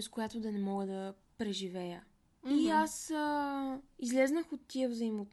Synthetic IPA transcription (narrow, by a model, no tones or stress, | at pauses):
ɛskojat̪od̪ɐnɛmɔɡəd̪ɐ | pɾɛʒivɛjə | iasə | izlɛznəxot̪ːiəvzəimot̪